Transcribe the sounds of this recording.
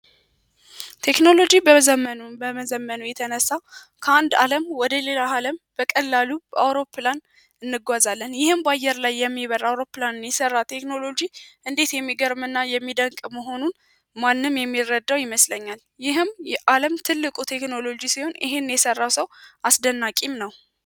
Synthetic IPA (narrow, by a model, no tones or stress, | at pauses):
t̪ʰe̞kno̞lo̞d͡ʒibəzəmːənubəməzəmːənujɛt̪ʰənəsːa | kʰəand̪a̰ləmwɔd̪əle̞lahaləmb̥əkʼəlːalubəawɾo̞pːɨlan | ɨnːɨɡʷazalːənjɪhɨmbajːɛɾlajːɛmːiβəɾawɾo̞pːlanɨnjɛsərːat̪ʰe̞kno̞lo̞d͡ʒiʔɨnd̪e̞t̪jɛmːiɡəɾmɨnːajɛmːid̪əŋkʼməɦo̞nun | manːɨmjɛmːirːəd̪ːawjɪməsləɲːal | jɪɦɨmjɛʔaləmt̪ʰɨlːɨkʼut̪ʰe̞kno̞lo̞d͡ʒisiho̞nɪ̰ɦenjɛsərːawsəwʔasd̪ənːakʼimnəw